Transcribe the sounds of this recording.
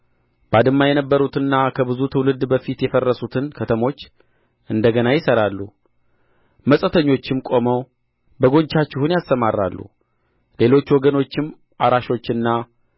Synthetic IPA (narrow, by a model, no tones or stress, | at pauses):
bad̪ɨmːajɛnəbːəɾut̪ɨnːakʰəbɨzut̪ʰɨwlɨd̪bəfit̪jɛfərːəsut̪ʰɨnkʰət̪ʰəmo̞t͡ʃː | ʔɨnd̪əɡənajɪsəɾalːṵ | məsʼət̪ʰəɲːo̞t͡ʃːɪmkʼo̞məw | bəɡo̞ɲt͡ʃːat͡ʃːɪhunjast̪əmarːa̰lːṵ | le̞lo̞t͡ʃːwɔɡəno̞t͡ʃːɪm | aɾaʃo̞t͡ʃːɨnːa